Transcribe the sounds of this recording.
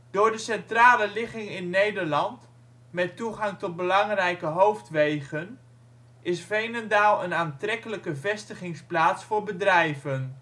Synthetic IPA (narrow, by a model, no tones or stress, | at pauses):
d̥ʊːɹdəsɛntraːləlɪχɪŋɪnːejdəɹlɑnt | mɛtuχɑŋtɔd̚bəlɑŋrɛjkəɦowftʋejχən | ʔɪsvejnəndaːlˠənaːntrɛkələkəvɛstəχɪŋsplaːtsfʊːɹbədrɛjvən